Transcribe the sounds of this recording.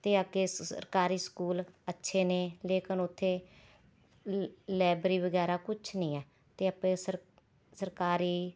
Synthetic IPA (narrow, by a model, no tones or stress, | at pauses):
t̪eːəkeːssə̰ɾkaːɾiːskuːlətːʃʰeːneːleːkənʊt̪ʰːeː | lɛːbɾiːbəɡɛːɾaːkʊt͡ʃʰnĩːɛː | t̪eːəpẽːsə | səɾkaːɾiː